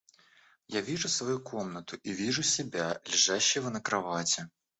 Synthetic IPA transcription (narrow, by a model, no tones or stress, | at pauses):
javʲiʐusvajukʰomnət̪uʔivʲiʐusʲɪbʲalʲɪʐaɕːɪvɐnɐkɾavat͡sʲɛ